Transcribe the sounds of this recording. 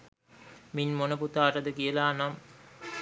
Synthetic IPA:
minmonəput̪aːɾəd̪əkijəlaːnam

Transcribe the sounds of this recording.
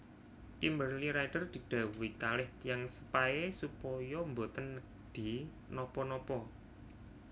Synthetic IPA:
kimbərliɾajɖ̥ərd̪̥i̤d̥a̤wuwikalɪht̪ijaŋsə̥paesupɔjɔmbot̪ənːə | dɖ̪̥i̤ | nɔpɔnɔpɔ

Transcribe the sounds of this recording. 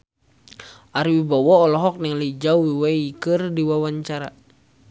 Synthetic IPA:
ʔaɾiwibawɔɔlɔɦɔk̚nɛŋliid͡ʒawiwaikɨrdiwawaɲt͡ʃaɾa

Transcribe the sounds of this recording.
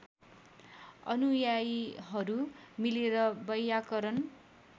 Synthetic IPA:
ʌ̰nujajɦʌɾumileɾʌbʌjakʌɾʌn

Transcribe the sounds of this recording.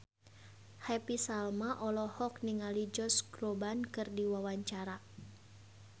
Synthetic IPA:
hɛpisalmaʔɔlɔhɔk̚niŋalid͡ʒɔsɡɾɔbankɨrdiwawaɲt͡ʃaɾa

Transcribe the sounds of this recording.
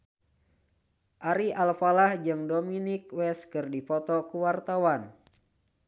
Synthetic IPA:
ʔaɾialfalahd͡ʒɨŋdominikwɛskɨrdipɔt̪ɔkuwart̪awan

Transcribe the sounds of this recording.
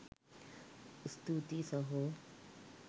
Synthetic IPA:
st̪ut̪isʌɦu

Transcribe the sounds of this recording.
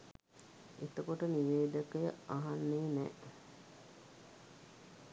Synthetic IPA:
et̪əkoʈəniʋeːd̪əkəjəaɦanːeːnɛ̰

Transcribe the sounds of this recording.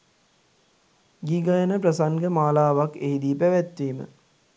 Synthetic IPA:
ɡiɡajənəpɾəsaŋɡəmaːlaːʋakeɦid̪iːpæʋæt̪ʋiːmə̰

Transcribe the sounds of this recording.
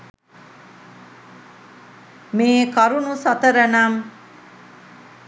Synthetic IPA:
meːkɐɾunusɐt̪əɾənɐm

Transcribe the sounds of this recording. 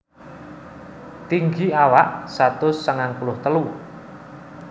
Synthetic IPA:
t̪iŋɡiawaʔsat̪ʊsːəŋaŋpulʊht̪əlu

